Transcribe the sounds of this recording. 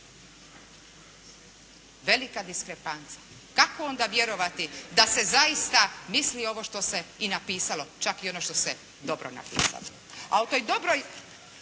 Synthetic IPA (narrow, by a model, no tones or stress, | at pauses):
ʋe̞likad̪iskɾepant̪sa | kakoo̞nd̪aʋje̞ɾo̞ʋat̪id̪ase̞zaist̪amislio̞ʋo̞ʃt̪o̞se̞inapiːsalo̞t͡ʃakio̞noʃt̪o̞se | d̪o̞bɾo̰na̰pḭːsa̰lo | a̰ut̪o̞jd̪o̞bɾoj